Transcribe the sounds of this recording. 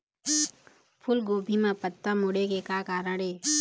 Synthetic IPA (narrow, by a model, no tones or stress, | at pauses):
pʰʊlɡoːbʱimãpət̪ːamʊɽekekaːkaːɾəɽeː